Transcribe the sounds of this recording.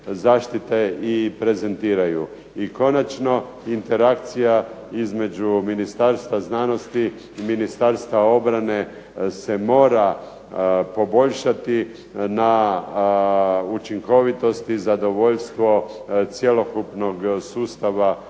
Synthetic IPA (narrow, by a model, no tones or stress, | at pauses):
zaːʃt̪it̪eipɾe̞ze̞nt̪iːɾaju | iko̞nat͡ʃno̞ | int̪e̞ɾakt̪sija | izme̞d͡ʒuminist̪aɾst̪ʋaznano̞st̪iː | minist̪aɾst̪ʋao̞bɾane̞ | se̞mo̞ːɾa | po̞bo̞ʎʃat̪i | na | ut͡ʃiŋko̞ʋit̪o̞st̪izad̪o̞ʋo̞ʎst̪ʋo̞t̪sjelo̞kupno̞ɡsuːst̪aʋa